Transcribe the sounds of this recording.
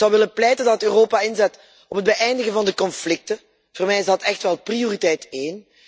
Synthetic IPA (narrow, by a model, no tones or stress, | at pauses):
zɑwʋɪləplɛjtəndɑttøːroːpaɪnzɛt | ɔpəd̚bəʔɛjndəɣəvɑndəkɔnflɪk̚tə | v̥oːrmɛjɪzdɑtɛxtʋɛlˠprioritɛjteːn